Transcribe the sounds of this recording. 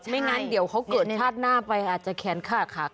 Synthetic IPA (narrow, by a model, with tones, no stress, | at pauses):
ma˥˩jŋa˦˥ndi˨˩˦əwkʰa˦˥wkɤː˨˩t̪̚ʰaː˥˩t̪̚naː˧˥˩pa˧jʔaː˨˩t̪̚t͡ɕa˨˩kʰɛː˧˥nkʰaː˥˩t̪̚kʰa˦˩k̚